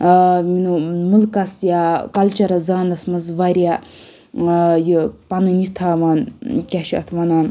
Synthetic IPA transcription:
minumulkɐsjakɐlt͡ʃɐɾɐzaːnd̪ɐsmɐzʋaɾʲija | jɨpɐnɨnit̪ʰaːʋaːnkʲaʃiɐt̪ʰʋɐnaːn

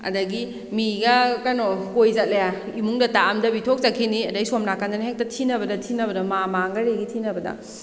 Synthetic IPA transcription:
ɐ̰dɐɡi | miɡɐkanokojzɐt̚lejaimuŋdɐtaːmdɐbitʰok̚zɐkʰːiniɐdɐjsomnakandɐnhek̚tɐtʰinɐbɐdɐtʰinɐbɐdɐmamaŋɡɐɾeɡitʰinɐbɐdɐ̰

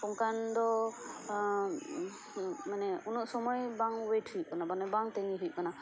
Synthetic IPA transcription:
kɔŋkand̪ɔ | manɛunuʔsɔmɔjbaŋwetʰhij̚kanabanɛbaŋt̪ɛŋiɦuj̚kana

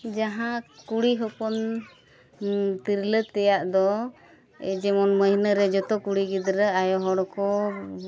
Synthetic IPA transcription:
d͡ʒaɦãkuɽiɦɔpɔn | t̪iɾlət̪ɛjaʔd̪ɔ | ɛ̰d͡ʒɛmɔnməɦinəɾɛd͡ʒɔt̪ɔkuɽiɡid̪ɾəajɔɦɔɽɔkɔ

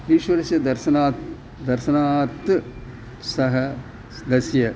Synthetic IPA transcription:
ʋiːʃʋɐɾɐsjɐd̪ɐɾʃɐnaːt̪ | d̪ɐɾʃɐnaːt̪ː | sɐɦɐ | d̪ɐsjɐ

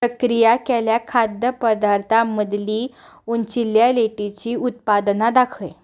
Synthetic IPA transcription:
pəkɾijakɛljakʰad̪jəpəd̪aɾt̪ʰaməd̪liː | unt͡ɕiljaleʈit͡ɕiːut̪̚pad̪nad̪akʰəj

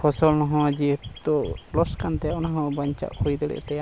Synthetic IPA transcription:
pʰɔsɔlnɔɦɔ̃ad͡ʒid̪ɔʔlɔskant̪ɛjaʔɔnaɦɔ̃baɲt͡ʃa̰ʔhujd̪ɛɽɛ̰ʔt̪ɛja

